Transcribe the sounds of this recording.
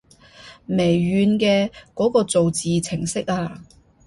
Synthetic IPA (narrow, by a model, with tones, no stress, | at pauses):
me˨˩jːyː˨˧nkɛː˧kɔː˨˥kɔː˧t͡so˨wt͡siː˨t͡sʰɪ˨˩ŋsɪ˥k̚aː˧